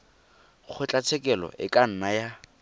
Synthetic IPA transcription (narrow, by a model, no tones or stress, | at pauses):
k͡xʰʊt͡ɬʼat͡sʰɛkʼɛlɔ̰ʔɪ̰kʼan̩naja